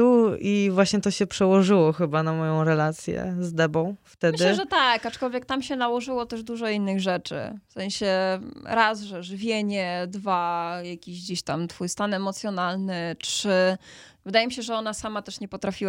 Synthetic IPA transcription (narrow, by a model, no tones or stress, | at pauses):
uivwaɕɲɛt̪ɔɕɛpʂɛwɔʐɘwɔxɘbanamɔjɔ̃w̃ɾɛlat̪sʲjɛ̰zd̪ɛbɔ̃w̃ft̪ɛd̪ɘʐɛt̪akːat͡ʂkɔlvʲjɛk̚t̪amɕɛnawɔʐɘwɔt̪ɛʐd̪uʐɔinːɘɣʐɛt͡ʂɘ̰fsɛ̃ɲ̃ɕɛɾazʐɛʐɘvʲjeɲɛd̪vajakʲiʑd͡ʑeɕt̪amt̪fujst̪anɛmɔt̪sjɔnalnɘtʂɘ | vɘd̪ajɛmiɕɛʐɛɔnasamat̪ɛʂɲɛpɔt̪ɾafʲiwa